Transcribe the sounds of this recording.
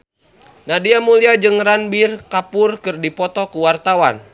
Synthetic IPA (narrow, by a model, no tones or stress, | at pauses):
nadiamuliad͡ʒɨŋranbirkapʊrkɨrdipɔt̪ɔkuwart̪awan